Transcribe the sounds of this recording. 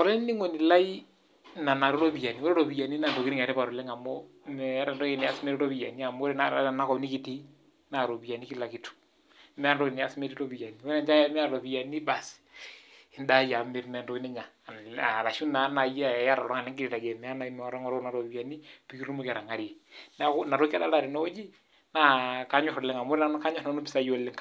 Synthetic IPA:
ɔ˨lɛ˦ni˦ŋo˨ni˨la˦i˦ | na˨na˨ɾo˦ɾo˦bi˨ja˨ni˨wo˦ɾo˦ɾo˨bi˨ja˨ni˦na˨ndo˨ki˦ni˦ŋa˨ɾe˦pa˨ɾɔ˨lɛ˦ŋa˨mo˦nɛ˨a˦ɾa˨ndɔ˦ke˨ne˨˦a˦sme˦ɾɾo˦βi˨a̰˨ni˦a˨m˦ɾe˦na˦a˨na˦kɔ˨ni˦ki˦ti˦ | na˨ɾo˨bi˨ja˨ni˦ki˦la˨ki˨tʰu̥˨ | mɛ˦a˦ndɔ˦ke˨ne˨˦a˨sme˦ɾi˦ɾo˦bi˨a˨ni˨wo˦nɛ˨d͡ʒa˦ja˦mɛ˦a˨ɾo˨βi˨a˨ni˦ba˨s | i˨˦nda˦ja˨me˨ɾmɛ˨ndo˦e˦ne˦ɲa˨a˨ɾa˨ʃu˦na˨˦na˨ja˨ja˦ɾa˨lɔ˦ŋa˨ne˦ŋɡiɾe˨ɾa˨ke˨mɛ˦a˦na˨i˦mɔ˨˦ɾɔ˦ŋɔ˦ɾo˦na˨ɾo˨βi˨a˨ni˦pi˦ki˦ɾu˦mu˦ke˨ɾa˨ŋa˨˦ɾi˨e˨na˨ko˦na˨ɾo˦ka˦la˦la˨ɾe˨no˦d͡ʒi˦ | na˦ka˦ɲo˦ɾle˦ŋa˨mo˦ɾe˦na˦ka˦ɲo˦hna˦no˦pi˨sa˨˦jo˦le˦ŋ

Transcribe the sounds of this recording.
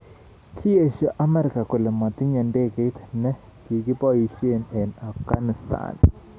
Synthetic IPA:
t͡ʃi˦e˦˨ʃo˦ʔa˦mɛ˦ɾi˨ka˨ku˨lɛ˨mɔ˨ti˦ɲɛ˨nde˦ke˦tnɛ˦ | ki˨ki˦pɔ˦i˨ʃe˦ne˨na˨fɡa̰˦ni˨stʰa̰n

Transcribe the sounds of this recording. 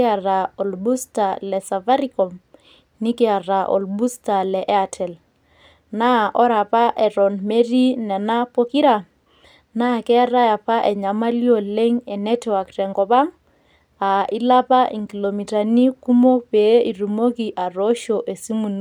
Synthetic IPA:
a˨ɾa˨ɔ˨lbu˦sta˨lɛ˨sa˨va˦ɾi˦kɔ˨m | ni˦ke˦a˨ɾa˨ʔɔ̰˨lbu˦sta˨lɛ˨ʔa˨tʰɛ˨l | na˦ʔɔ˦ɾa˨pa˦ʔɛ˨ɾɔ˨nme˦ɾi˦nɛ˨na˦po˦ki˦ɾa˨ | na˦˨kɛ˦a˦ɾa˦ja˨pa˦ʔɛ˨ɲa˨ma˦li˦o˨le˦ŋɛ˨nɛ˦tɛ˦wa˨kɾɛ˨ŋɡɔ˨ba˦ŋ | a˨i˦la˦pa˦ʔi˨ŋki˨lo˨mi˨ta˨ni˦ku˦mo˦pe˨˦i˨ɾu˨mo˦ki˨ʔa˨ɾo˦ʃo˨ʔe˨si˦mu˨n˦

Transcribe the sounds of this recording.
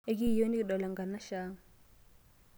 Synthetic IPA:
e˦k̬i˦i˨jo˦ni˦ki˦˨ɗɔ˨la˨ŋɡa˨na˦ʃaː˦ŋ

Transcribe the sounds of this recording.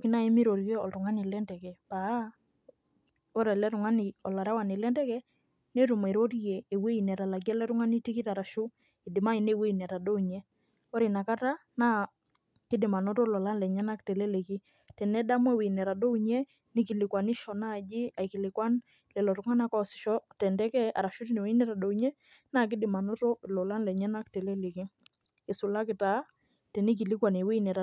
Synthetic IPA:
ki˦na˦e˦mi˦ɾo˨ɾjɛ˦ɔ˨ltu˨ŋa˦ni˨lɛ˦ntɛ˨kɛ˨pa˨˦ | o˦ɾɛ˨lɛ˦tʊ˨ŋa˦ni˨ɔ˨la˨ɾa˦wa˨ni˨lɛ˦ntɛ˦kɛ˦ | ne˦tu˨m˨i˨ɾo˦ɾjeː˨we˦i˨nɛ˨ɾa˨la˨ɡi˦ɛ˦lɛ˦tʊ˦ŋa˦ni˦ti˦ki˦ta˨ɾa˨ʃu˦ | i˨dɪ˨ma˦i˨˦ne˦we˦i˨nɛ˨ta˨do˦u˨ɲɛ˦ | o˦ɾi˨na˨ka˦ta˦na˦ | ki˦dɪ˨ma˨nɔ˦to˦lɔ˨la˦nlɛ˨ɲɛ˦na˦ktɛ˨le˦le˨ki˦ | tɛ˨nɛ˦da˦mwɛ˦˨wi˨nɛ˨ɾa˨do˦u˨ɲɛ˦ | ni˦k̬i˨lɪ˨kwa˨ni˦ʃɔ˨na˦d͡ʒi˦a˨i˨ki˨lɪ˨kwa˦n | lɛ˨lɔ˨tu˨ŋa˦na˦kɔ˦si̥˨ʃɔ˦tɛ˨ndɛ˦kɛ˦a˨ɾa˨ʃu˦t̬i˦ne˨wi˦nɛ˦ta˨do˨˦ɲɛ˦ | na˦˨k̬ɪ˦dɪ˨ma˨nɔ˦to˦˨lɔ˨la˦nlɛ˨ɲɛ˦na˦ktɛ˨lɛ˦le˨ki˦ | ɪ˨su˨la˦kɪ˨ta˨˦ | tɛ˨ni˦k̬i˨lɪ˦kwa˨ne˨wi˦nɛ˨ta˨

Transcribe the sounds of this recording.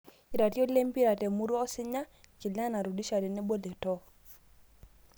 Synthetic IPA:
i˨ɾa˨tjo˦le˦mpi˦ɾa˨tɛ˨mu˦ɾɔ˦sɪ˦ɲa˦kɪ˨la˦na˨ɾu˨di˦ʃa˨ɾɛ˨nɛ˦bo˦lɛ˨tɔ˦˨

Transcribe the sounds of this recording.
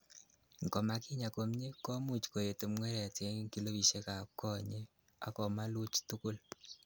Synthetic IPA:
ŋkɔ˨ma˨kɪ˦ɲa˨ko˨mɲe˦kɔ˦mu˨t͡ʃko˨je˨tu˨mŋwɛ˦ɾɛ˨te˦ŋki˦lo˦βi˨ʃe˦ka˨kːɔ˦ɲe˦ | a̰˨kɔ˨ma˦lu˦t͡ʃtu˦kʊ˦˨l

